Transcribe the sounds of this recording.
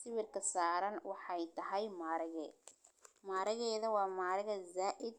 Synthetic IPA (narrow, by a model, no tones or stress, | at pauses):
sɪβɪrkʰɐsaːɾɐnwɑħɑjt̪ʰɐɦɛjmaːɾɐɣɛ | maːɾɐɣɛːðɐwɑːmaːɾɐɣɐzaːʔɪd̪̚